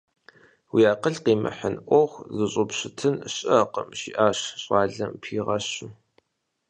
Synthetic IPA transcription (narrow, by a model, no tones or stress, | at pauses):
wiaːqəɮqiːmɐ̰ħənʔʷɔχʷzɨɕʼʊpɕɪtʰɨnɕʼɐqə̰mʃiːʔaːɕɕʼɑːɮɐmpʰiːʁɐɕɨ